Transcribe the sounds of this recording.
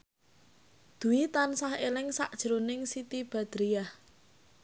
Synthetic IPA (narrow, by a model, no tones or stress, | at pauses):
d̪̥ṳwit̪ansahelɪŋsa̰ʔd̥ʒ̥əɾonɪŋsit̪ib̥a̤d̪̥ɾijah